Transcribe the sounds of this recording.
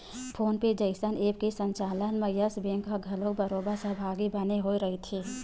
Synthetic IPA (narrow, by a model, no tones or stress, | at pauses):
pʰoːnped͡ʒəɪsəneːp̚kesə̃ɲt͡ʃaːlənməjəsbẽːŋkaɡʱɐlõkbəɾoːbasəɦbʱaːɡibɐneɦoiɾɐɦit̪ʰeː